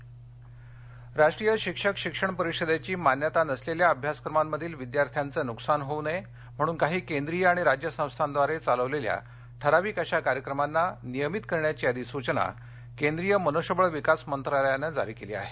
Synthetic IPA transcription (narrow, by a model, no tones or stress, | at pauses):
ɾaʂʈɾijəɕikʂəkɕikʂəɳpəɾiɕəd̪jat͡ɕiːmanjət̪anəsleljaəbʱjasə̥kɾəmamːəd̪ʱiːlʋid̪jaɾt̪ʰjant͡səːnuksanɦone | m̤əɽ̃uːnkaɦiːkend̪ɾijəaɽ̃iɾad͡ʑjəsə̃w̃st̪ʰand̪ʋaɾet͡saləʋlelja̰ | ʈʰəɾaʋiːkaɕakaɾjəkɾəmanːanijəmit̪kəɾɳjat͡ɕiːəd̪isut͡ɕna̰ | kend̪ɾijəmənoɕəbəɭʋikasmənt̪ɾaləjanəd͡za̰ɾiːkelḭa̰ɦe